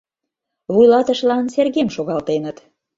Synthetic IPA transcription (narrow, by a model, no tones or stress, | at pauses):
βujlɑt̪əʃlɑnserɣemʃoɣɑlt̪enət̪